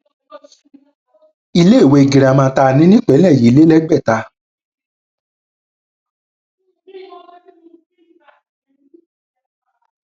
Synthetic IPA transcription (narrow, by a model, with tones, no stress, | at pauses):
i˧le˦˨we˧˨ɡi˨ɾa˨mã˧˦ta˧˨nĩ˦nĩ˦k͡pɛ˨˦lɛ̃˦˨ji˨˦le˦lɛ˦ɡ͡bɛ˦˨ta˧